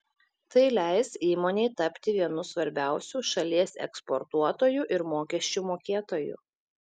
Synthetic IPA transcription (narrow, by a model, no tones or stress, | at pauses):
t̪ɐɪlʲæɪsiːmoːnʲɛɪt̪ɐpʲt̪ʲɪʋʲiɛnʊsʋɐɾʲbʲæˑʊsʲuːʃɐlʲiɛsɛ̰kspoɾt̪uɔt̪oːjuʔɪɾmoːkʲɛʃʲt͡ʃʲuːmoːkʲeːt̪oːjṵːˑ